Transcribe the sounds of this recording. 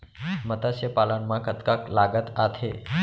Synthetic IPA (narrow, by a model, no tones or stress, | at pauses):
mət̪asɕepalanmakət̪kaklaɡət̪at̪ʰe